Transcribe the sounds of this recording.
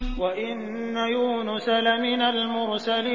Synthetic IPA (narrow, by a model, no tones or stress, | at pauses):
waʔɪnː | ajuːnʊsalamɪnalmʊɾsaliː